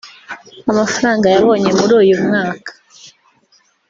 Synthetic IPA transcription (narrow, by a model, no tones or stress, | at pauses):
amafaɾaːŋɡajaβo̞ːɲe̞muɾuːjumŋaːkḁ